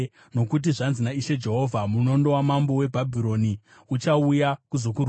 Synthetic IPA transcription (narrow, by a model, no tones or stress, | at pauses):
no̞kut̬iʐanzinaiʃe̞d͡ʒe̞ɦo̞vʱamuno̞ndo̞wamambo̞we̞bʱabʱiɾo̞ni | ut͡ʃaujakuzo̞kur